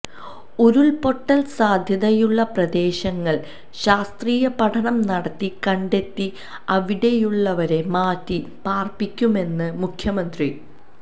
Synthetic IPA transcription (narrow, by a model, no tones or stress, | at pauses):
oɾuɭpo̞ʈːɐlsaːd̪ʱjɐðɐjuɭːɐprɐd̪e̞ːɕɐŋːɐɭ | ɕaːst̪riːjɐpɐʈʰɐɳɐmnɐɽɐt̪ːikɐɳɖe̞t̪ːi | ɐʋiɽe̞juɭːɐʋɐɾe̞maːtːipaːrpikʲːume̞nːɨmukʰjɐmɐnd̪ri